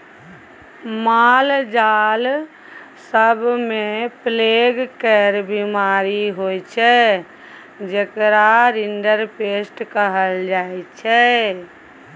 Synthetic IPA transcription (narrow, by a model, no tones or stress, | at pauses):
mald͡ʒal | səbʱmẽpleɡkɛɾbimaɾiɦojt͡ʃʰɛ | d͡ʒekɾaɾinɖəɾpesʈkəɦəld͡ʒaːjt͡ʃʰɛ